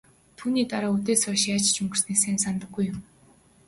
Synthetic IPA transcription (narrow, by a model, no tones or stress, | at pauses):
t̪ʰuːniːt̪aɾaːut̪eːsɔːʃat͡ɕt͡ɕɵŋɡɘ̆r̥sneːsæːnsant̪ə̆ɡɡujʊm